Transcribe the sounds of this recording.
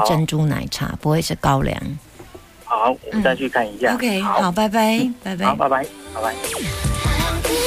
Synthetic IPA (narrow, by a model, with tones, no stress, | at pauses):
ʈ͡ʂə˥˧nʈ͡ʂu˥na̰˨˩˦ɪʈ͡ʂʰa̰˨˥˦pu˧˥we˥˧ʂ̩˥˩kɑ˥˦ʊlja̰˧˦ŋ | xɑ˨˩˦ʊwɔ˨m̩˦˥˩sa˥˧nt͡ɕʰy˥˧kʰa˥˩ni˧˥ɕja˥˧˨kʰe˥˧ɪhɑ˨˩ʊpa˥˩ɪpa˥˧ɪpa˥˧ɪpe˥˨˦pa˥˧ɪpa˧˦ɪ˨˦pa˧˩ɪ˥